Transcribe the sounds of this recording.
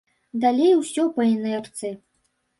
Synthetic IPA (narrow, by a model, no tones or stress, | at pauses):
d̪alʲejwsʲɔpɐɛnɛrt̪sɨ